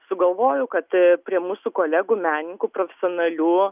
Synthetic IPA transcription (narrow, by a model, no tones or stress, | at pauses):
sʊɡɐlˠʋoːjʊkɐt̪pʲɾʲiɛmuːsuːkoːlʲæːɡumʲæːnʲɪŋkuːpɾoːfʲɛ̥sʲoːnɐlʲuː